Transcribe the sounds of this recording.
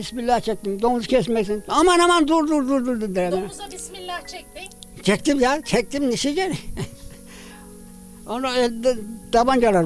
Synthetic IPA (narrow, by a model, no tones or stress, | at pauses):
ismilʲːaht͡ʃʰɛk̚t̪imd̪omuzu̥cʲʰɛsmɛksinamanamand̪uɾd̪uɾd̪uɾd̪uɾd̪und̪ɛɾɛmɛ | t͡ʃʰɛk̚t̪imjat͡ʃʰɛk̚t̪imniʃid͡ʒɛɾ | onɛd̪̥aband͡ʒalaɾ